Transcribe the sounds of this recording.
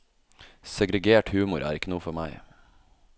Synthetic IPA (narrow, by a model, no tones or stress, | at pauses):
sɛɡɾɛɡeːʈhʉːmʊɾʔæ̰ːɾɪkənuːfɔɾmæɪ